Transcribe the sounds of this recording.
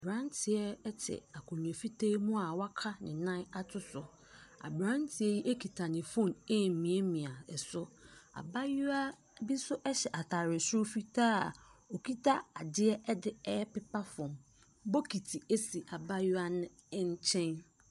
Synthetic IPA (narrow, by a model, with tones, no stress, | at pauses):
bɾã˦n˦tʰɪ˨ɛ˦ɛ˦tʰɪ̰˨a˨kʰʊ̃˨ɲ˨ẽ˨fi˦tʰe˦mũ˦a˨wa˦kʰa˦nɪ̃˨nã˦a˦tʰʊ˦sʊ˨ | a̰˨bɾã˦n˦tʰɪ˨ɛ˦ji˦ʔe˦kʰi˨tʰa˨nɪ̃˨fõ˦˨nɛ˦˨m̩˨mĩ˨e˦mĩ˨a˨ɛ˨sʊ˦a̰˨ba˦ju˦a˦ | bi˦sʊ˦ʔɛ˦ɕɛ˨ʔa˨tʰa˨ɾɪ˨sʊ̃˦fi˦tʰaː˦a˨o˨kʰi˦tʰa˦a˨dɪ˦ɛ˦ʔɛ˦dɪ˦ɛ˦ɛ˦pɪ˦pa˦fɔ̃˨m | bɔ˦kʰi˨tʰi˨e˦si˨ʔa˨ba˦jʊ˦a˦nʊ̃˦ | ɲ̩˦t͡ɕʰɛ̃˦n